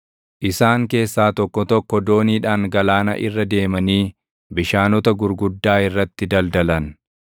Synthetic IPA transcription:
ʔɪsaːŋke̞ːsːaːt̪ɔkːɔt̪ɔkːɔd̪o̞ːniːᶑaːŋɡɐlaːnɐ̰ʔɪ̰rːɐd̪e̞ːmɐniː | bɪʃaːnɔt̪ɐɡʊɾɡʊd̪ːaːɪrːɐt̪ːɪd̪ɐld̪ɐlɐn

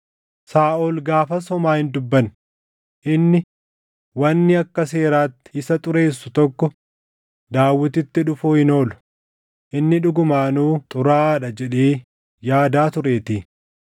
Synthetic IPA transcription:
saːʔolɡaːfɐsɔmaːhɪnd̪ʊbːɐn | ʔɪnːɪ | wɐnːɪɐkːɐse̞ːɾaːt̪ːɪ̥ɪsɐt̪ʼʊɾe̞ːsːʊt̪ɔkːɔ | d̪aːwːɪt̪ɪt̪ːɪᶑʊfuːhɪno̞ːlʊ̥ | ʔɪnːɪᶑʊɡʊmaːnuːt̪ʼʊɾaːᶑɐd͡ʒɛᶑeː | jaːd̪aːt̪ʊɾeːt̪iː

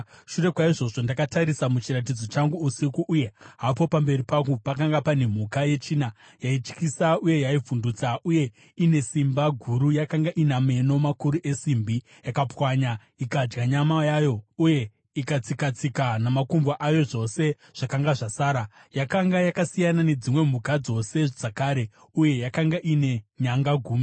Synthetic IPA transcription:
ʃure̞kwaiʐo̞ʐo̞ndakataɾisamut͡ʃirat̬id͡zo̞t͡ʃaŋɡuːsikuʔːje̞ɦapo̞pambe̞ɾipakupakaŋɡapane̞m̤ukaje̞t͡ʃiːna | jait͡ʃkisauje̞jaivundut͡saʔuje̞ | ine̞simbaɡʱuɾujakaŋɡaʔiname̞no̞makuɾuʔe̞simbi | jakapwaɲa | ikad͡ʒɡaɲamajaːjo̞uje̞ | ikat͡sikat͡sikanamakumbaʔajo̞ʐo̞se̞ | ʐ̥akaŋɡaʐasaːɾajakaŋɡajakasijanane̞d͡zimwe̞m̤ukad͡zo̞se̞ʐ̥akaːɾe̞ | uje̞jakaŋɡaʔine̞ɲaŋɡaɡʱuːmi

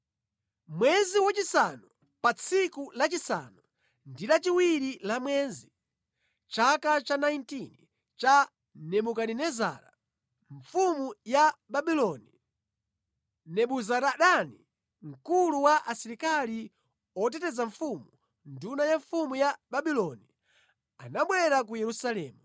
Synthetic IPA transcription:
mwɛziwat͡ʃisanu | pat͡sʰikulat͡ʃisa̰nu | ndilat͡ʃiwiɾilamwɛnzi | t͡ʃakat͡ʃanajintini | t͡ʃa | nɛɓukaninɛza̰ɾa̰ | ɱfumujaɓaɓilɔni | nɛɓuzaɾaɗani | ŋ̩kuluwaʔasiɾikali | ɔt̬ɛtɛzaɱfumu | ndunajaɱfumujaɓaɓilɔni | a̰naɓwɛɾak̬ujɛɾusalɛːmu

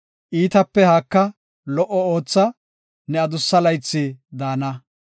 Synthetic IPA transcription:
ʔiːt̪ɐpːɛhaːkːɐ | lɔʔɔo̞ːt͡sːɐ | nɛɐd̪ʊsːɐlɐjt͡sːɪd̪aːnɐ

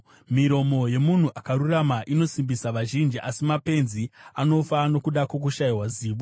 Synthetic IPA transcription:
miɾo̞mo̞je̞mun̤uʔakaɾuramaʔino̞simbisaʋaʒind͡ʒiʔasimape̞nziano̞fano̞kuɗakok̬uʃaiwaziːʋo

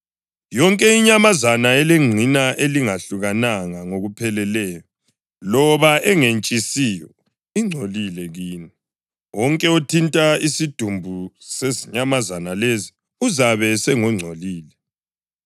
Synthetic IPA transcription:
jɔŋkʼɛiɲamazanaɛleŋ͡ǀʱinaʔeliŋaɬuɣanaŋaŋoɣupʰɛlɛlɛːjɔ | lɔβaʔɛŋent͡ʃʼisiːjɔ | iŋ͡ǀʱolilɛɣiːni | wɔŋkʼɛotʰintʼaisid̥ʱumbʱuseziɲamazanalezi | uzaβɛsɛŋɔŋ͡ǀʱoliːlɛ

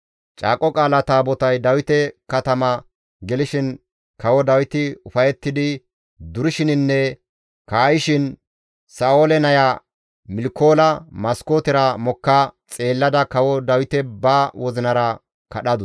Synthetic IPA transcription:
t͡ʃʼa̰ːkʼɔkʼaːlɐt̪aːbɔt̪ɐjd̪ɐwɪt̪ɛkɐt̪ɐmɐ | ɡɛlɪʃɪn | kɐwɔd̪ɐwɪt̪ɪʊfɐjɛt̪ːɪd̪ɪ | d̪ʊɾɪʃɪnɪnːɛ | kaːjɪʃɪn | saːoːlɛnɐja | mɪlɪkːo̞ːlɐmɐskoːt̪ɪɾɐmɔkːɐt͡sʼe̞ːlːɐd̪ɐkɐwɔd̪ɐwɪt̪ɛbawɔzɪnɐɾɐ | kɐɗɐd̪ʊ

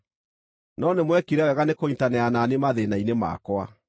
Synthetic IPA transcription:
nɔnemwɛkiɾawɛɣanekointanɛananemaðenainema̰kwa̰

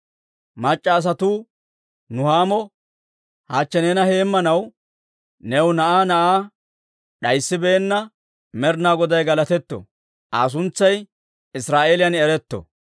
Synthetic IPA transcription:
mɐt͡ʃʼːɐːs̬ɐt̪uː | nʊhaːmɔ | haːt͡ʃːɛneːnɐhe̞ːmːɐnɐw | nɛwnɐʔaːnɐʔaː | ɗɐjsːɪbe̞ːnːɐ | mɛɾnaːɡɔd̪ɐjɡɐlɐt̪ɛt̪ːɔ̰ | ʔaːs̬ʊnt͡sːɐj | ɪsɾaːʔeːlɪjɐnɛɾɛt̪ːɔ̰

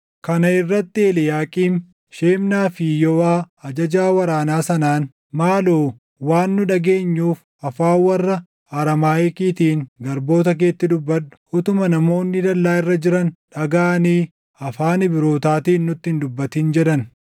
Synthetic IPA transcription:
kɐnɐɪrːɐt̪ːɪɛlɪjaːkʼiːm | ʃeːmnaːfɪjɔwaː | ɐd͡ʒɐd͡ʒaːwɐɾaːnaːsɐnaːn | maːloː | waːnːʊᶑɐɡe̞ːɲːuːf | ɐfaːwɐrːɐ | ɐɾɐmaːɛkiːt̪iːŋɡɐɾbo̞ːt̪ɐk̬e̞ːt̪ːɪd̪ʊbːɐᶑʊ̥ʊt̪ʊmɐnɐmo̞ːnːɪd̪ɐlːaːɪrːɐd͡ʒɪɾɐnᶑɐɡaːniː | ɐfaːnɪbɪɾo̞ːt̪aːt̪iːnːʊt̪ːɪɪnd̪ʊbːɐt̪iːnd͡ʒɛᶑɐn

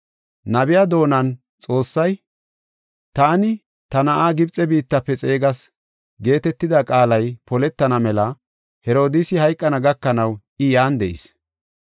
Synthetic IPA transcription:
nɐbɪjaːd̪o̞ːnɐn | t͡sʼo̞ːsːɐj | t̪aːnɪ | t̪ɐnɐʔaːɡɪbt͡sʼːɛbiːt̪ːɐpːɛt͡sʼe̞ːɡɐs | ɡe̞ːt̪ɛt̪ːɪd̪ɐkʼaːlɐjpɔlɛt̪ːɐnɐmɛlɐ | hɛɾo̞ːd̪ɪsɪhɐjkʼːɐnɐɡɐkːɐnɐw | ɪjaːnd̪ɛʔɪ̰s

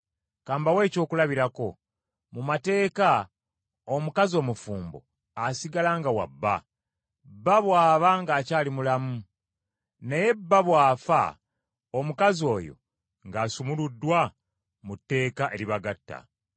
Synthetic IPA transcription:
kaːmbawe̞ːco̞ːkulaβiɾako̞ | mumate̞ːka | omukazio̞ːmufuːmbo̰ | asiɡalaŋɡawa̰bːa | bːaβwaːβaŋɡaːcaːlimulamu | neje̞bːaβwaːfa̰ | omukazio̞ːjo̞̰ | ŋɡaːsumuludːwa | mutːe̞ːkaʔe̞ɾiβaɡatːa̰

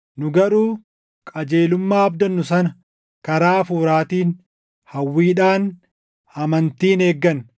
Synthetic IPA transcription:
nʊɡɐɾuː | kʼɐd͡ʒe̞ːlʊmːaːɐbd̪ɐnːʊsɐnɐ | kɐɾaːfuːɾaːt̪iːn | hɐwːiːᶑaːn | ɐmɐnt̪iːne̞ːɡːɐn

